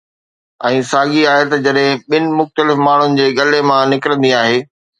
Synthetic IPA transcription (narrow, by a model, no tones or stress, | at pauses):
ɛ̃ːsaːɠiaːɦet̪ɐd͡ʑɐɗɦɪ̃ɓɪnɪ̆mʊxt̪əlɪfmaːɳ̤ʊnɪ̆d͡ʑeːɠɐlemãnɪkɪɾə̃nd̪iaːɦeː